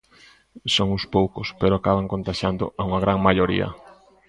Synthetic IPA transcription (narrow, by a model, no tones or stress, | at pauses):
soŋʊspowkʊspeɾoakaβaŋkont̪aʃand̪ʊ̰ʔauŋaɣɾaŋmaʎoɾḭɐ̰